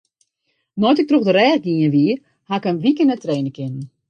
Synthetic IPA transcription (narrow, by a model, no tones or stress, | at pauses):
nɔjtɪk̚troxdəɾɛːɡinəʋiə | hakənʋikənətreːnəkɪnən